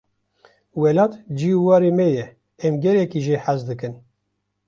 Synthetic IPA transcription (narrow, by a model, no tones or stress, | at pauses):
wɛlɑːt̪d͡ʒiːuwɑːɾeːmɛjɛ | ɛmɡɛlɛkiːʒeːħazd̪ɨkɨn